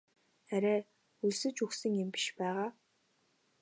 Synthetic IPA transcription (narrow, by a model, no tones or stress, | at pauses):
æɾʲæː | uɮsɘ̆t͡ɕuxsɘ̆ŋempi̥ʃpæːʁaː